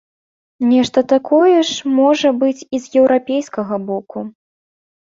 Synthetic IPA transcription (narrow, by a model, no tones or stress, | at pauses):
nʲɛʂt̪ɐt̪akʰɔjɛʂmɔʐɐbɨt͡sʲizjɛwɾapʲejskɐɣɐbɔku